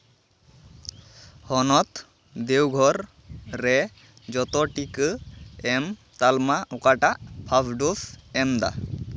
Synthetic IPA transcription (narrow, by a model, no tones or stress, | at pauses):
hɔnɔt̪ | d̪ewɡʱɔɾː | ɛ | d͡ʒɔt̪ɔʈikɯɛm | t̪almaʔʊkaʈaʔpʰapʰɖusɛmd̪a̰